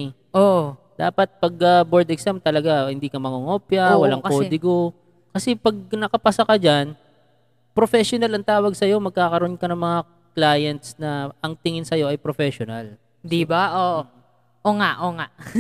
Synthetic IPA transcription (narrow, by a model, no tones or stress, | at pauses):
ʔoʔ | d̪̥aːpɐt̪̚pɐɡɐboɹd̪ɛksamt̪ɐlɐɡahɪnd̪iːkɐmɐŋoŋopjɐwɐlaŋkoːd̪ɪɡo | kɐsɛpɐɡ̚nɐkɐpɐsɐkɐd͡ʒan | pɾofɛʃonɐlɐŋt̪aːwɐɡ̚sɐjo̞mɐɡ̚kaːkɐɾoonkɐnɐŋmɐŋa | klaːjɛnt̪snɐʔɐŋt̪ɪŋɪnsɐjo̞ʔɐjpɾofɛʃonɐl | d̪ibaʔoʔ | ʔoŋaʔoŋaʔ